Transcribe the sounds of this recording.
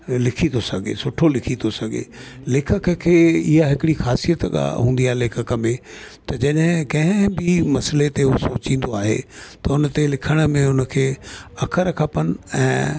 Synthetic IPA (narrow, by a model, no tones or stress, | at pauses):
lɪkʰĩt̪osɐɡʱḛsʊʈʰolɪkʰit̪osɐɡʱḛlɪːkʰəkəkʰːeːɪɦaɦɪkɪɽixaːsijət̪ɠa̰ɦũːn̆d̪iaːɦeleːkʰəkəmẽ | t̪ɐd͡ʑɐɗɦɪ̃kɐ̃ɦɪ̃bɪmɐslet̪eɦosoːt͡ɕĩːn̆d̪oaːɦḛt̪ɐʊnət̪elɪkʰəɽ̃ə̆mẽʊnəkʰeːɐkʰəɾɐkʰapənɪ̆ɛ̰̃ː